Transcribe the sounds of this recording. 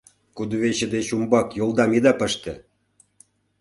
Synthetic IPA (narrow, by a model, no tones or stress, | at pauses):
kud̪uβeɕə̆d̪et͡ɕumbɑkjolˠd̪ɑmid̪ɑpə̆ʃt̪ḛ̆